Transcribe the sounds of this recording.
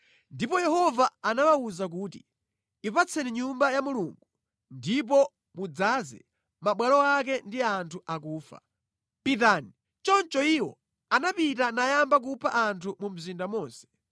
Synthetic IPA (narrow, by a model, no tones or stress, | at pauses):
ndipɔjɛhɔvaːnawauzak̬uːtḭ | ipat͡sʰɛniɲumbajamuluŋɡu | ndip̬ɔ | mud͡zazɛ̰ | maɓwalɔak̬ɛndiantʰuʔak̬uːfa̰ | pitani | t͡ʃɔnt͡ʃɔiwɔ | anapitanajambak̬upʰa̰ʔantʰumum̩zindamɔːnsɛ̥